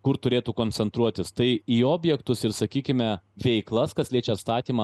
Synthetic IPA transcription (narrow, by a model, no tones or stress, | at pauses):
kʊɾt̪ʊɾʲeːt̪uːkoːnʲt͡ssʲɛnt̪ɾuɔt̪ʲɪst̪ɐɪiːoːbʲjɛkt̪ʊsɪɾsɐkʲiːkʲɪmʲɛʋʲɛɪklˠɐskɐslʲiɛt͡ʃʲɛt̪st̪ɑːt̪ʲiːmɐ